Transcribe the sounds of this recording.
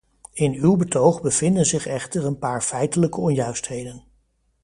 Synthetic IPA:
ɪnywbətowχbəv̥ɪndənzɪχɛχtəɹənpaːɹfɛjtələkəɔnjœɥstɦejdən

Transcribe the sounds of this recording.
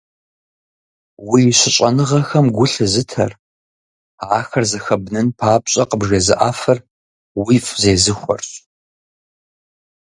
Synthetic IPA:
wiːɕɪɕʼɐnɨʁɐxɐmɡʷʊɬɨzɨtʰɐ̰r | aːxɐrzɐxɐbnɨnpʰaːp̚ʼɕʼɐqəbʒɐzɨʔaːfɐr | wifʼzeːzɨxʷɔ̰rɕ

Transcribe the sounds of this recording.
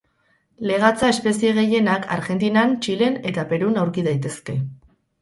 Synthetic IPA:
le̞ɣ̞at͡sae̞spe̞sieɣ̞e̞je̞nakʰa̰ɾɣe̞nt̪̬inant͡ʃile̞ne̞t̪ape̞ɾunawɾkiðajt̪e̞ske̞

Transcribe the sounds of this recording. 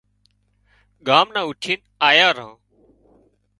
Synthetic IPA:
ɠaːmnãːʊʈʰiːn | aːjaːɾã̰ː

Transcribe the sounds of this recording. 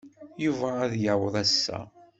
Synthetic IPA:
juvæːðjəʕwəðˤæsːæ̰

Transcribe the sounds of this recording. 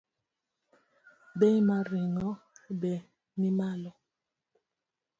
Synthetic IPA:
bɛmaɾiŋɔbɛ | mimalɔ

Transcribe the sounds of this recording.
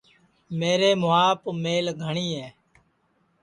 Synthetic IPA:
meːɾeːmʊaːpmeːlɡʱəɳiːɦɛː

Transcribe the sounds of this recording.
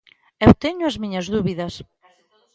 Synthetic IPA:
ewt̪eɲʊɐzmiɲɐzðuβiðɐs

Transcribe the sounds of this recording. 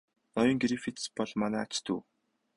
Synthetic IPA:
nɔjɞ̆ːŋɡɾifit̪spɔɮmanæːat͡ɕt̪ʰṵː

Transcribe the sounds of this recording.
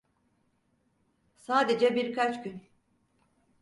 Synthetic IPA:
saːd̪ed͡ʒɛbiɾkʰat͡ʃcyn

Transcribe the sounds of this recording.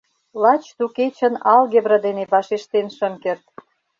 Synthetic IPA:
lɑt͡ɕt̪uket͡ɕə̆nɑlɣebɾə̆d̪eneβɑʃeʃt̪enʃə̆mkert̪̚

